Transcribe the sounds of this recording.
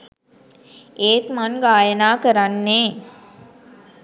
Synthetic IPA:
eːt̪manɡaːjənaːkɐɾanːeː

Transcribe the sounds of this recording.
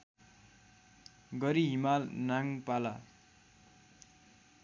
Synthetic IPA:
ɡʌɾiɦimalnaŋpala

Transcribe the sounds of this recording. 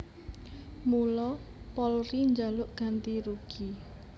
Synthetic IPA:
mulɔpɔlriɲd͡ʒalʊʔɡ̥ant̪iɾuɡ̥i

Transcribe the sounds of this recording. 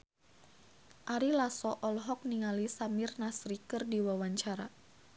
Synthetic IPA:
ʔaɾilasɔʔɔlɦɔk̚niŋalisamirnasɾikɨrdiwawaɲt͡ʃaɾa

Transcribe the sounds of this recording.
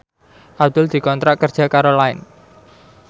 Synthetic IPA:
ʔab̚d̪̥ʊld̪̥i̤kɔnt̪ɾaʔkərdʒ̥a̤kaɾolaɪ̰n

